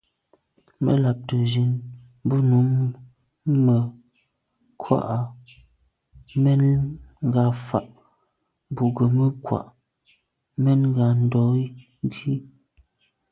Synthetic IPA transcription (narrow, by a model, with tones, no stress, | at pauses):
mə̰˦la˨p̚tə˨zi˨˦n˦ | bu˦nu˨˦m | mə˨ | kʰwa̰˦˨ʔa˨ | mɛ˦nŋ˦ɡa˨fa˨ʔ | bu˨ɡə˨mə˦kwa̰˨ʔ | mɛ˦nŋ˦ɡa˨n̩˦dɔ˨˦i˦ | di˦